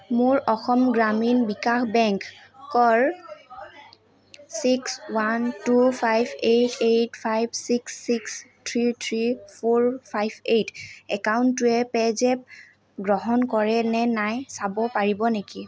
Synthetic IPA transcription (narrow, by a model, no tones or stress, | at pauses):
mʊɹɔxɔmɡɹaminbikaxbɛŋkː | ɔɹ | sikswantupʰajbetʰetpʰajbsiksːikstʰɹitʰɹipʰoɹpʰajbetʰɛkawntuɛpɛzɛp̚ | ɡɹɔɦɔnkɔɹɛnɛnajsabɔpaɹibɔneki